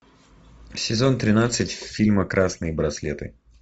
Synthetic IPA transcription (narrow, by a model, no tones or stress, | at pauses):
sʲɪzo̞nt̪ɾʲɪnat̪sɨtʲfʲilʲməkɾʔasnɨjbɾɐslʲet̪ɨ